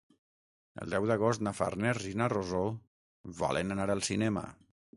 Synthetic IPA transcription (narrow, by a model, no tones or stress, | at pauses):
ə̰lˠd̪ɛwðəɣ̞ost̪nafa̰rnɛrʒinarozo | βa̰lenənaɾəlˠsinɛmə̰